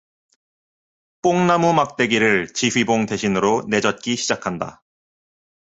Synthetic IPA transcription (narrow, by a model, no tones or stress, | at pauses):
p͈oŋnamumak̚t͈e̞ɡiɾɯɭt͡ɕiɸɥiboŋte̞ɕʰinɯɾone̞d͡ʑʌt̚k͈iɕʰid͡ʑakʰanda̰